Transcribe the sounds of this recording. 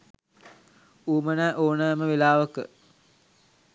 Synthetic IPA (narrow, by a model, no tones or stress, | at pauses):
uːmənəʔoːnəməʋelaːʋəkə